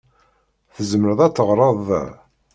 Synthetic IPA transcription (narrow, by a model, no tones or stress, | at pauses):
θəzməɾəðˤæt͡sːəʁɾˤɑð̰ˤ